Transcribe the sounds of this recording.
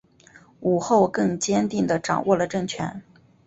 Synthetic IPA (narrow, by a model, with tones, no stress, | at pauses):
u˨˩xo˥˧ʊkɤ˥˩ŋt͡ɕjɛ˥nt̪i˥˩ŋd̪ə˩ʈ͡ʂɑ̰˨˩ŋwɔ˥˩lə˩ʈ͡ʂɤ˥˩ŋt͡ɕʰɥɛ˧˥n